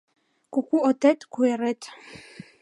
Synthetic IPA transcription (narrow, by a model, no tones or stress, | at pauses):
kukʷʰuɔt̪ʰɛt̪kʰuɛɾɛt̪ʰ